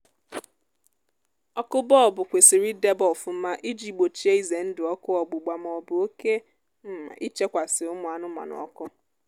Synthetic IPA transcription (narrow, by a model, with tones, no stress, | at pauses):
ɔ˦kʊ˦bɔ˦˨bʊ˨kʷe˨si˨ɾi˦de˦bɔ˨fʊ˨m̩˦ma˦ʔi˦d͡ʒi˨ɡ͡bo˨t͡ʃi˦e˦i˦ze˨n̩˦dɪ˨ɔ˦kʊ˦ɔ˨ɡ͡bʊ˨ɡ͡ba˨m˨ɔ˨bʊ˨o˦ke˦ | m̩˦ma̰˨ʔi˦t͡ʃe˦kʷa˨sɪ˨ʊ˦mʊ˨a˨nʊ˦m˨a̰˨nʊ̰˨ɔ̰˦kʊ˦